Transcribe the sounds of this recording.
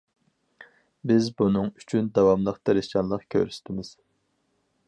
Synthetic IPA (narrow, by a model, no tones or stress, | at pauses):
bɪzbunɨŋy̥t͡ʃʰynd̪ɑwɑmlˠəqt̪ʰeɾɪst͡ʃɑnlˠəqkʲʰø̰ɾst̪ʰɪmɪz̥